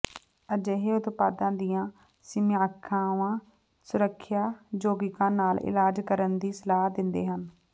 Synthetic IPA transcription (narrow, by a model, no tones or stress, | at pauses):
əd͡ʒeɦeːʊt̪paːd̪ãːd̪ɪjãː | sɪmaːkʰːãːʋãː | sʊɾəkʰːjaːd͡ʒoːɡɪkãːnaːlɪ̰laːd͡ʒkəɾənd̪iːsəlaːɦd̪ɪnd̪ḛːɦən